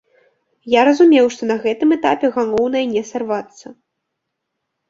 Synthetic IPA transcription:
jaɾɐzumʲɛwʂt̪ɔn̪ɐɣɛt̪ɨmɛt̪apʲɛɣalˠɔwnɐjɐnʲɛsarvat̪sːɐ

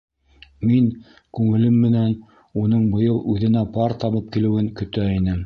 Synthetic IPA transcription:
miŋ | kʉŋɘ̆lɘmːɘ̆næn | unɤɴbŏjɤlˠʔʉðɘ̆næpɑɾt̪ɑβɤp̚kilɘ̆wɘŋkɵ̆t̪æinɘm

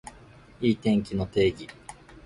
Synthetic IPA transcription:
iːt̪ẽ̞ŋkʲino̞t̪e̞ːɡʲi

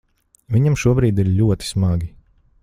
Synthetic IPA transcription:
viɲamʃuɔbɾiːd̪iɾʎʲuɔt̪i̥smaɡʲi

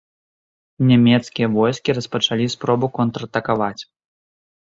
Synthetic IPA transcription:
nʲamʲɛt̪skʲijɐvɔjskʲirɐspɐt͡ʂalʲispɾɔbukɔnt̪ɾɐt̪ɐkavat͡sʲ

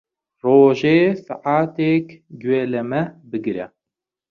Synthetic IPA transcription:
roːʒeːsa̰ʕaːt̪eːkɡweːlɐmɐbɨɡɾɐ

